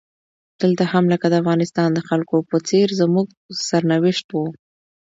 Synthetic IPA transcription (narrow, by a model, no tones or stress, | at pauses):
d̪̥əlt̪ahamləkad̪əafɣɑnɪst̪ɑnd̪əxalkopət͡seɾzəmuɡ̚ | saɾnawɪʃt̪wu